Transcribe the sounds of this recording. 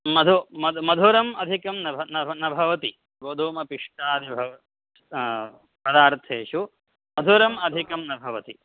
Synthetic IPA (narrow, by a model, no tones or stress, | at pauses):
mɐd̪ʱumɐmɐd̪ʱuɾɐmɐd̪ʱikɐmnɐbʱɐnɐnɐbʱɐʋɐt̪i | ɡoːd̪ʱuːmɐpiʂʈaːd̪ibʱɐʋɐ | pɐd̪aːɾt̪ʰeːʂu | mɐd̪ʱuɾɐmɐd̪ʱikɐmnɐbʱɐʋɐt̪i